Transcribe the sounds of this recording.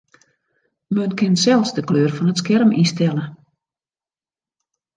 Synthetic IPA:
mønkʰɪnsɛlˠsdəkløːərfɔnətskɛrmistɛlˠə

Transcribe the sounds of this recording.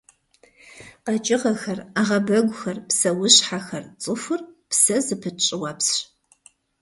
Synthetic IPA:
qɐt͡ʃʼɪʁɐxɐraːʁɐbɐɡʷʊxɐrpsɐwʊɕħaxɐrt͡sʼɨfʷʊrpsɐzɨpʰɨt͡ʃʼɪwapsɕ

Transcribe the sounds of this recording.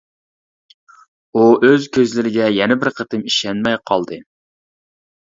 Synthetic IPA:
uʔøzkʲʰøzlɪɾɪɡʲɛjɛnɛbɪɾqʰət̪ʰɨmiʃɛnmɛjqʰɑlˠd̪ɨ

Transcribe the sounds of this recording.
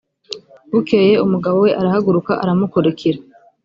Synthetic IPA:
βukeje̞umuɡaβo̞we̞ʔaɾahaɡuɾukaʔaɾamukoɾekʰiɾa

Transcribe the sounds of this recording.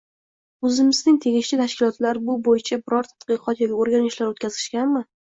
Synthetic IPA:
ɵzɪmɪznɪŋʲt̪ʰe̞ɡʲɪʃt͡ʃɪt̪ʰaʃkʲɪlɒt̪laɾbʊbojɪt͡ʃʰabɪɾɒɾt̪ʰat̪̚qɨqʰɒt̪jɒɡʲaoɾɡʲanɪʃlaɾot̪̚kʰʲazɪʃkʲanmɪ

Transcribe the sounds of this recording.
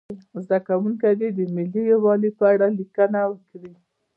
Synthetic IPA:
zd̪akawuŋkad̪ed̪əmɪlijwɑlipəaɽalikənawəkɽi

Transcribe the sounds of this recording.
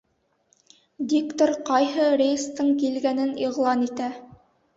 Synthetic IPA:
dʲikt̪oɾqɑjɦɤɾejst̪ɤɴkilɡænɘniʁlˠɑnit̪æ

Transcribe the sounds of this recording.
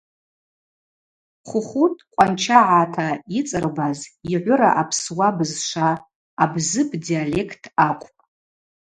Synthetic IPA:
χʷʊχʷutʼqʷʼant͡ʃʰaʕatʰait͡sʼɨrbaziʕʷʊɾaʔapʰswabɨzʂʷaː | bzɨpʰʼdiale̞kʰtʰaqʷʼpʼ

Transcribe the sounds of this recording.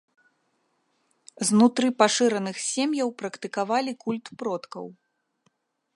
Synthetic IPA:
znut̪ɾɨpaʂɨɾɐnɨxsʲemjɐwpɾɐkt̪ɨkavalʲikulʲt̪pɾɔt̪kɐ̰w

